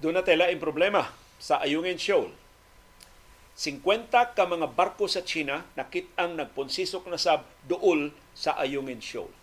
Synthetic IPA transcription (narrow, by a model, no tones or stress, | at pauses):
d̪ʊnat̪ɛlaɪmpɾoʊblɛma | saʔajuŋɪnʃowl | sɪŋkwɛnt̪akamaŋabaɾkosat͡ʃiːnanakɪt̪̚aŋnɐɡ̚pʊnsisʊk̚nasab̚d̪ʊʔʊl | saʔajuŋɪnʃo̰wl